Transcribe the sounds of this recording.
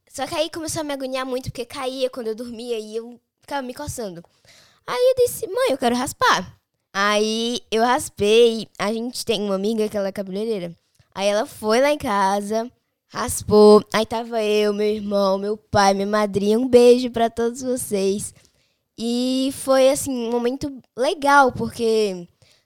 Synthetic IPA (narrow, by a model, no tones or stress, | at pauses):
sɔkɪaikõmesoɐmɪaɡuɲiamũj̃t̪ʊ̥po̥kekaiɐkwɐ̃nd̪ʊewd̪ʊɾmiɐiew | fi̥kavɐmɪkost̪ɐ̃nd̪ʊ | aiewd͡ʒisɪmɐ̃j̃ewkɛɾʊɦaspa | aiewhaspejaʒẽt͡ʃɪ̥t̪ẽj̃ũmɐamiɡɐkɪɛlɐɛkabileɾeɾɐ | ʔa̰iɛlɐfojlaẽkazɐ | haspoait̪avɐewmewiɾmɐ̃w̃mewpajmĩɲɐmad̪ɾĩɐũbeʒʊpɾɐt̪od̪ʊzvosejs | ɪfojasĩũmomẽnt̪ʊleɡawpoɾke